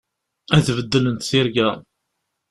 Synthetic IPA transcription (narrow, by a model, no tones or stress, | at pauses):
æθvəd̪ːələnt̪θɪɾɡæ